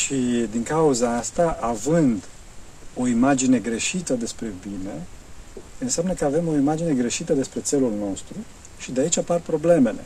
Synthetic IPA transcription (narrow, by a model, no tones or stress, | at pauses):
ʃid̪iŋkauzaast̪aʔavɨnd̪ | o̞imad͡ʒine̞ɡɾe̞ʃit̪əd̪e̞spɾe̞bine̞ | ɨnseamnəkəave̞mo̞imad͡ʒine̞ɡɾe̞ʃit̪əd̪e̞spɾe̞t̪se̞lulno̞st̪ɾu | ʃid̪eait͡ʃʲaparpɾo̞ble̞me̞le̞̰